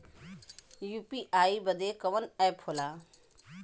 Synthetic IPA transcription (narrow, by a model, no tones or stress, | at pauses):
juːpiːʔaːibəd̪eːkɐʋənɛːpʰhoːlaː